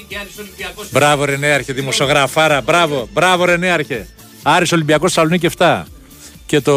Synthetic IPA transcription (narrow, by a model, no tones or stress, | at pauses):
bɾɐvoɾeneɐɾçeðimosio̞ɣɾɐfɐɾɐbɾɐvobɾɐvoɾeneɐɾçe | ɐɾisolimbiɐkossɐloniceft̪ɐ | ce̞t̪o